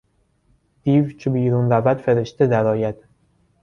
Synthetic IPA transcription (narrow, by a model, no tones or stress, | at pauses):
d̪̥iːvt͡ʃʰebiːɾunɾævæd̪̥feɾe̞ʃt̪e̞d̪æɾɒːjæd̪̥